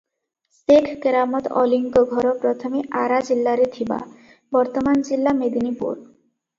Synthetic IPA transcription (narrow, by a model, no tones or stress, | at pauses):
sekʰkeɾamot̪ɔ̰liŋkoɡʱɔɾopɾot̪ʰomiʔaɾad͡ʑilːaɾet̪ʰiba̰ | bɔɾt̪omand͡ʑilːamed̪inipṵɾ